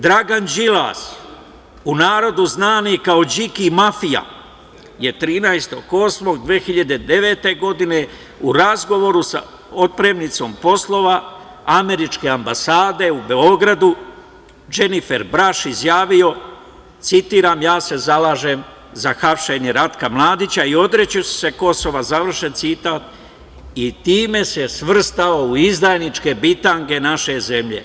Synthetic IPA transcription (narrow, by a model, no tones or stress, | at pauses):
d̪ɾaɡand͡ʒila̰s | unaːɾo̞d̪uznaːniekao̞d͡ʑikimafija̰ | jet̪ɾiːnaest̪o̞̰ɡo̞ːsmo̞ɡd̪ʋeːxiʎad̪ed̪e̞ʋe̞t̪e̞ɡo̞d̪ine̞ | uɾazɡo̞ʋo̞ɾusa̰ | o̞t̪̚pɾe̞mnit̪so̞mpo̞slˠo̞ːʋa | ame̞ɾit͡ʃke̞ambasaːd̪e̞ubeo̞ɡɾad̪u | d͡ʒe̞nife̞ɾbɾaʃizjaːʋio̞ | t̪sit̪iːɾaːmjaːse̞zalaːʒe̞m | zaxapʃe̞ɲeɾat̪kamlˠaːd̪it͡ɕaio̞d̪ɾe̞t͡ɕosse̞ko̞so̞ʋazaʋr̩ʃent̪sit̪aːt̪ | it̪iːme̞se̞sʋr̩st̪aouizd̪ajnit͡ʃke̞bit̪aŋke̞naʃe̞zemʎe̞̰